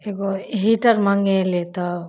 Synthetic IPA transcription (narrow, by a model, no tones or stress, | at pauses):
eɡoɦiʈəɾmaŋɡelet̪a